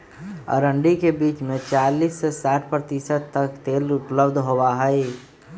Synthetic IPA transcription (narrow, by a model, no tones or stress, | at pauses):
ə̰ɾə̃ɳɖikebiːt͡ʃmẽt͡ʃaːliːsːesaːʈ̚ʰpɾət̪isəd̪̚t̪ɐkt̪eːlʊpləbd̪ʱɦowaɦəe